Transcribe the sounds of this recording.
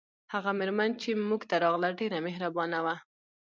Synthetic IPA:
haɣamɪɾmant͡ʃemuɡt̪aɾɑɣlaɖeɾamɪɦɾabɑnawa

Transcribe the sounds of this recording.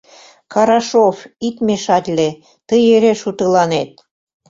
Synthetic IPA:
kʰɑɾɑʃofit̪meʃɑt̪ʲlʲe | t̪əjeɾeʃut̪ɤ̆lɑnet̪̚

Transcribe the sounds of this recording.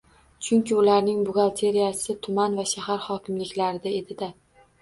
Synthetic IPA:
t͡ʃʰʊŋkʲɪʊlaɾnɪŋbʊɡʲalˠt̪ʰe̞ɾijasɪt̪ʰʊmanvaʃahaɾhɒkʲʰɪmlɪkʲlaɾɪd̪ae̞d̪ɪd̪a

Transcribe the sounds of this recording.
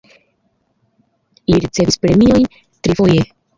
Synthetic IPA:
liɾit͡se̞vispɾe̞mio̞jn | tɾifo̞je̞

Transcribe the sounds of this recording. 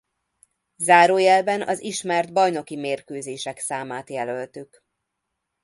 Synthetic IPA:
zaːɾoːjɛlbɛnʔɒ̰ziʃmɛrd̪bɒjno̞kimeːrkøːzeːʃɛksaːmaːt̪jɛlølt̪yk

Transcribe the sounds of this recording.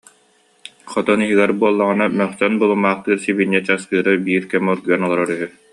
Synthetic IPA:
χɔt̪ɔniɦiɡɛɾbuɔlˠːaʁɯnamœχsœnbulˠumːaːχt̪ɯːɾsibinːɛt͡ɕaskɯːɾɯbiːɾkɛmɔɾɡyɛnɔlˠɔɾɔɾyɦy

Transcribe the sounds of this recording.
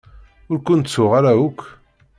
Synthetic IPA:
ʊɾkʷʊnt͡sːʊʁaɾaukʷʰː

